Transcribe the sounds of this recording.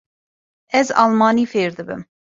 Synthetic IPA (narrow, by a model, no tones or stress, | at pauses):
ɛzɑ̰lˠmɑːnifeɾd̪ɨbɨ̰m